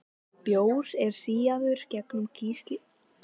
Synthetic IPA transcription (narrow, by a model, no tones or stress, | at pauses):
pjoːwɾɛɾ̥siːjaðʏɾ̥cɛknʏmcʰiːst̪lɪ